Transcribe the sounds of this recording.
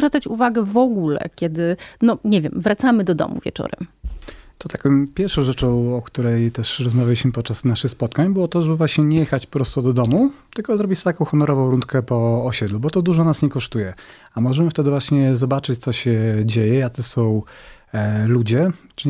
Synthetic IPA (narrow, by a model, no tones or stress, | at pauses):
vɾat̪sat͡ɕuvaɡɛvɔɡulɛ̰kʲɛd̪ɘnɔɲɛvʲjɛmvɾat̪samɘd̪ɔd̪ɔ̰mṵvʲjɛ̰t͡ʂɔ̰ɾɛ̰mt̪ɔt̪akɔ̃j̃pʲjɛɾfʂɔ̃w̃ʐɛt͡ʂɔ̃w̃ɔkt̪uɾɛjt̪ɛʂɾɔzmavʲalʲiɕmɘpɔt̪̚t͡ʂasnaʂɘxspɔt̪kaɲbɘwɔt̪ɔʐɛbɘvwaɕɲɛɲɛjɛxat͡ɕppɾɔst̪ɔd̪ɔd̪ɔmut̪ɘlkɔzɾɔbʲit͡ɕt̪t̪akɔ̃w̃xɔnɔɾɔvɔ̃w̃ɾunt̪kɛpɔːɕɛd̪lubɔt̪ɔd̪uʐɔnasɲɛkɔʂt̪ujɛ | amɔʐɛmɘft̪ɛd̪ɘvwaɕɲɛzɔbat͡ʂɘt͡ɕt̪sɔɕɛd͡ʑejɛat̪ɔsɔ̃w̃ | lud͡ʑɛt͡ʂ